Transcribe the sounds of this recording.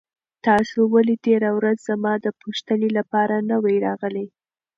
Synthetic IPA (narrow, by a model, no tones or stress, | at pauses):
t̪ɑsowalit̪eɾawɾazzamɑd̪əpoʃt̪ənelapɑɾanəwajɾɑɣəlaj